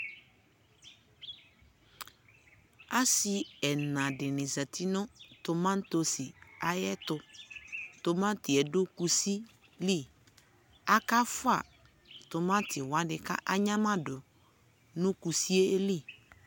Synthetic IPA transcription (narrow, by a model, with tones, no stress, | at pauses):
a˦si˨ɛ˨nã˨dɪ˨nɪ̃˨za˨ti˦nʊ̃˦tʊ˨mã˦n˦to˨si˨a˨jɛ˦tʊ˨ | tʊ˨mã˦tɪ˨ɛ˨dʊ˦ku˨si˦ | li˦˨ | a˦ka˦fʊ˦a̰˨ | tʊ˨mã˦tʰɪ˨wa˦dɪ˨ka̰˦ʔa˦ɲã˦mã˦dʊ˨ | nʊ̃˦ku˨si˦e˦e˦li˦˨